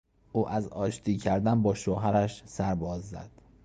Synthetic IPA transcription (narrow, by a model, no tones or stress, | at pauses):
uːʔæzɒːʃt̪ʰiːcʰæɾd̪ænbɒːʃoɦæɾæʃsæɾbɒːzːæ̰d̪̥